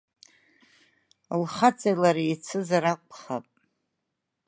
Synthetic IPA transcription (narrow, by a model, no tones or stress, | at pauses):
lχat͡sʼajlaɾiit͡sʰɨzaɾaqʷʰʼχapʼ